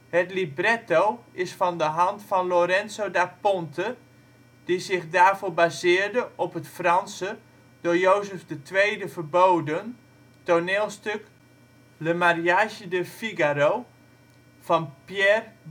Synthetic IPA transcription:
hətlibrɛtowɪsfɔndəɦɑntfɔnloɾɛnsodapɔntʰə | d̥izɪxdaːrfoːbazɪːrdəʔɔpɦətfrɑnsə | d̥ojoːzəfdətʋeːdəvərboːdən | tonɪːlˠstøk | ləmarjaʃədəfiɡaɾo | fɔnpjɛr

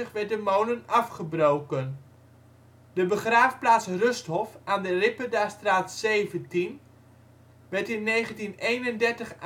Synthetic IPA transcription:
əχʋɛɹt̚dəmownənɑfχəbrowkən | dəbəχraːfplaːtsrøsthɔfaːndərɪpədastraːtseːvəntin | ʋɛɹtɪnːejχəntinejnəndɛɹtəχ

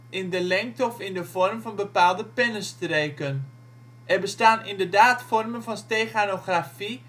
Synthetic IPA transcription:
ʔɪndəlɛŋk̚tɔfɪndəv̥ɔrmvɑnbəpaːlˠdəpɪnəstrejkən | ʔɛrbəstaːnɪndərdaːtfɔrmənvɑnstejχanoχrafi

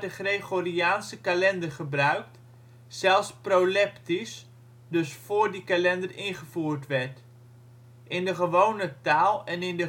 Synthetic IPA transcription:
dəχreχoriaːnsəkalɛndərχəbrœɥkt | sɛlˠsprowlɛptis | dɵsfʊːɹdikalɛndərɪnχəvuːɹtʋɛɹt | ʔɪndəχəʋownətaːlˠɛnɪndə

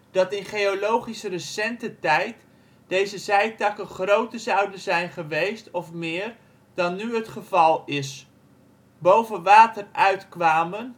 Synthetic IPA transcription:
d̥ɑtɪnχejolowχisərəsɛntətɛjt | d̥ejzəzɛjtɑkənχrowtəɹzɑwdənzɛjnχəʋejstɔfmɪːr | d̥ɑnːyɦətχəvɑlˠɪs | bowvənʋaːtərʔœɥtkʋaːmən

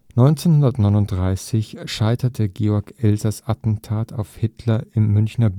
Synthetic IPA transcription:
nɔʏnt͡seːnhʊndɐtnɔʏnʊnt̚d̥ʁaɪsɪçʃaɪtʰɐtʰəɡeːɔɐkʔɛlzɐsatn̩tʰaːtʰaʊfhɪtʰlɐɪmːʏnçnɐb

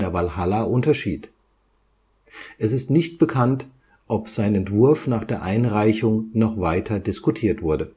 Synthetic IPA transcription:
ɛɐvalhalaʔʊntɐʃiːt | ʔɛsɪstnɪçt̚b̥əkʰant | ʔɔpz̥aɪnɛntv̥ʊɐfnaːχd̥eːɐʔaɪnʁaɪçʊŋnɔχvaɪtʰɐdɪskutʰiːɐtv̥ʊɐdə

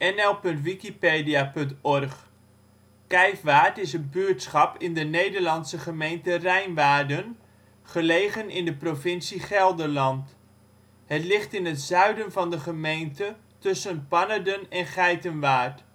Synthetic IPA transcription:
ɛnɛlˠpɵntʋikipeːdiapɵntɔrχ | kɛjfʋaːtɪsənbyətsχɑpɪndənejdəɹlɑnsəχəmejntərɛjnʋaːɹdən | χəlejχənɪndəprofɪnsiχɛlˠdəlɑnt | hətlɪχtɪnətzœɥdənvɑndəχəmejntə | tɵsənpɑnədənɛnχɛjtənʋaːɹt

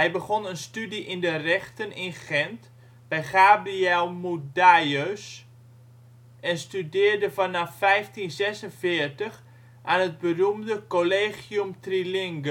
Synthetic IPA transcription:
ɦɛjbəɣonənstydiʔɪndərɛxtənɪnχɛnt | b̥ɛjχaːbriɛlˠmudajøs | ɛnstydɪːrdəfanafːɛjftinzɛsənfɪːrtəx | ʔaːnɦət̚bərumdəkoleːχjumtrilɪŋɡə

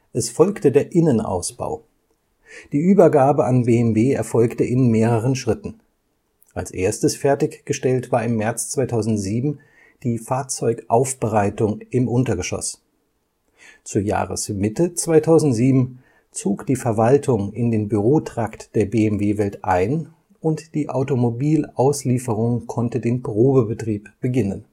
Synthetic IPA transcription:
ʔɛsfɔlktədeːɐʔɪnənʔa̰ʊsb̥a̰ʊ | d̥iːʔyːbɐɡaːbəʔanbeːɛmveːɛɐfɔlktəʔɪnmeːʁ̞əʁənʃʁ̥ɪtn̩ | ʔalsʔḛːɐstəsfɛɐtɪçɡ̥əʃtɛltv̥aːɐɪmːɛɐt͡st͡sv̥aɪtʰaʊzn̩tz̥iːbm̩ | d̥iːfaːɐt͡sɔʏkʔaʊfb̥əʁaɪtʊŋʔɪmʔʊntɐɡəʃɔ̰s | t͡suːɐja̰ːʁə̰smɪtət͡sv̥aɪtʰaʊzn̩tz̥iːbm̩ | t͡soːkd̥iːfɛɐvaltʰʊŋɪndeːnbyʁoːtʁ̥aktd̥eːɐbeːɛmveːvɛltʔaɪn | ʔʊntd̥iːʔaʊtomobiːlaʊsliːfəʁʊŋkʰɔntədeːnbʁoːbəbətʁ̥iːpb̥əɡɪnən

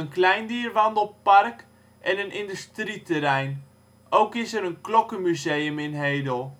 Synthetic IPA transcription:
ənklɛjndiːrʋɑndəl̩ˠpark | ʔɛnənʔɪndystritəɾɛjn | ʔowkɪsəɾənklɔkəmyzejəmɪnɦeːdəlˠ

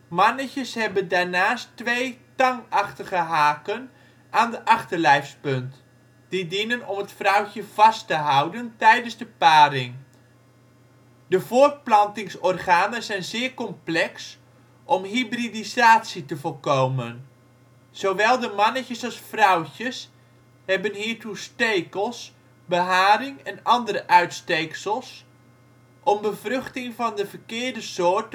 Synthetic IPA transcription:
mɑnəcəshɛbəndarnaːstʋejtɑŋɑχtəχəɦaːkən | ʔaːndəʔɑχtərlɛjfspønt | d̥idinənɔmətfrʌwcəv̥ɑstəɦawdəntɛjdənzdəpaːrɪŋ | dəvʊːrt̚plɑntɪŋsɔrχaːnəzɛjnzɪːrkɔmplɛks | ʔɔmɦibridizaːtsitəvolˠkowmən | z̥owʋɛlˠdəmɑnəcəsɑlˠsfrʌwcəs | ɦɛbənɦiːɹtustejkəlˠs | bəɦaːrɪŋɛnɑndəɾəʔœɥtstejksəlˠs | ʔɔmbəvrʏχtɪŋvɑndəvərkɪːɹdəsʊːɹt

